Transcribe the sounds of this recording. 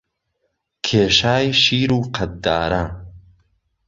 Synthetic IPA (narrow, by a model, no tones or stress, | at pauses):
kʰeːʃaːjʃiːɾuːqʰɐt̪̚d̪aːɾɐ